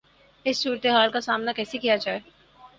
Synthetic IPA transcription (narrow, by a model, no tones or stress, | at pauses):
ɪsːuːɾət̪eɦaːlkasaːmnakɛːsekijad͡ʒaːe